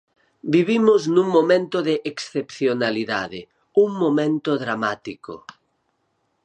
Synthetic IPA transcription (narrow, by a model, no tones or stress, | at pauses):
biβ̞imoznũŋmomẽnt̪oðeʔeksθepθjonaliðaðe | uŋmomẽnt̪oðɾamat̪iko̰